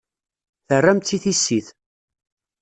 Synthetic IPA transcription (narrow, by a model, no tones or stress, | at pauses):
θərːæmt̪ːiθisːiθ